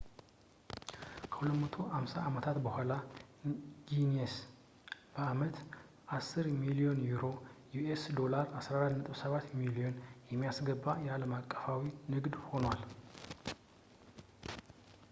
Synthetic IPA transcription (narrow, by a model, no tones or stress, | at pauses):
kʰə̥hulət̪mət̪ʰo̞hamsaamət̪ʰat̪bəhʷala | ɡines | b̥əamət̪ | ʔasːɨɾmilio̞njuɾo̞juesd̪o̞laɾasɾaɾat̪nət̪ʼəwsəβat̪ːmilio̞njɛmːijasɡəbːajɛaləmakʼːə̥fawinɨɡd̪ho̞nwal